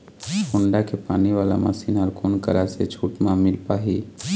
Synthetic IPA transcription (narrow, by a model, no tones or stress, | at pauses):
kʊɳɖakepaːniʋaːla̰ma̰siːnɦəɾkʰoːnkə̰ɾaset͡ʃʰuːʈmãmɪlpaːɦiː